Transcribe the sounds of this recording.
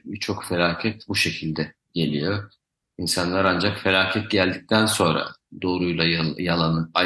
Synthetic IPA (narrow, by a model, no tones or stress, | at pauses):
bit͡ʃʰo̞kfe̞lʲaːcʰɛt̪buʃecʰilʲd̪ɛ | ɟe̞lʲijo̞ | insanlˠaɾand͡ʒakfe̞lʲaːcʰɛt̪̚ɟælʲd̪ic̚t̪ʰænso̞nɾa̰d̪o̞ːɾujlˠajalˠanɯa